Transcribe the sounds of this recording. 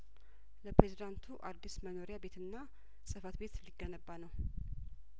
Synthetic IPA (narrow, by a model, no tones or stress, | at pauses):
ləpɾezid̪ant̪ʰuʔad̪ːisməno̞ɾijabe̞t̪ɨnːa | sʼɨfat̪be̞t̪liɡənəbːanəw